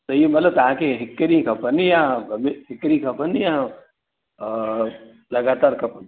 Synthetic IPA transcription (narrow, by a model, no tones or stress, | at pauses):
t̪əjimət̪ləb̚t̪əɦãkeɦikːɾikʰəpənjãbʱəmiɪkːɾikʰəpənjã | ləɡat̪aɾkʰəpən